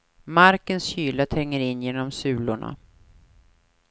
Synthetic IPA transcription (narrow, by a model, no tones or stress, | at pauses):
maɾkənsɕyːlat̪ʰɛŋːəɾɪnːjeːnɔmsʉ̟ːlʊɳa̰